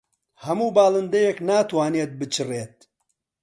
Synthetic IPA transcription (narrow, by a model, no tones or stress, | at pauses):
hɐmuːbaːlˠɨnd̪ɐjeknaːt̪waːneːt̪̚bɨt͡ʃʰɨreːt̪̚